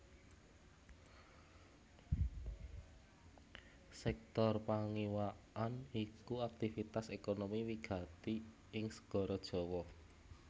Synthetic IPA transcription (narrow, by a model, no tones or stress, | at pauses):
sɛk̚t̪ɔrpaŋiwa | anikuak̚t̪ifit̪asekonomiwiɡ̥ä̤t̪i | ɪŋsə̥ɡ̥ɔ̤ɾɔd̥ʒ̥ɔ̤wɔ